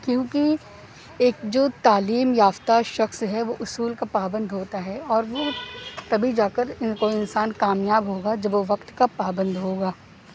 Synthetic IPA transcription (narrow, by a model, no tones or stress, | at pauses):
kjõːki | eːkd͡ʒoːt̪aːliːmjaːʋt̪aʃɐxsɦɛʋoʔʊsuːlkapaːbə̃nd̪ɦoːt̪aɦɛɔːɾʋot̪ɐbʱid͡ʒaːkəɾɪkoːiɪnsaːnkaːmjaːbɦoːɡad͡ʒɐbʋoʋɐkt̪kapaːbə̃nd̪ɦoːɡaː